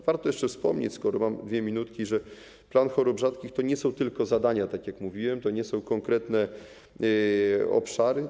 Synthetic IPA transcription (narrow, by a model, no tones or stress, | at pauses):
vaɾt̪ɔjɛʂt͡ʂɛfspɔ̰mɲḛt͡ɕʲskɔɾɔmamd̪vʲɛmʲinut̪kʲiʐɛ | planxɔɾɔbʐat̪kʲixt̪ɔɲɛsɔ̃w̃t̪ɘlkɔzad̪aɲat̪akʲjakmuvʲiwɛmt̪ɔɲɛsɔ̃w̃kɔŋkɾɛt̪nɛ | ɔ̰pʂaɾɘ